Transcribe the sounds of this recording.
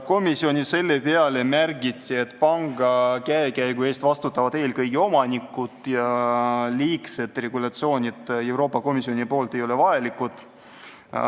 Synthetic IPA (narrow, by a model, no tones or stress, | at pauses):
ko̞misio̞nʲise̞lːe̞pe̞ɑle̞mærɡit̪ʲːˑie̞t̪ːˑpɑŋɡ̥ɑkæekæjɡ̥ue̞ːst̪vɑst̪ut̪ːˑɑvɑd̪eːlkɤjɡio̞mɑnʲikːˑut̪ˑjɑliːkse̞t̪ːˑre̞ɡ̥ulɑt̪sio̞ːnʲit̪e̞wɾo̞ːpːˑɑko̞misio̞nʲipo̞ːlt̪e̞jo̞le̞vɑelikːˑut̪ˑ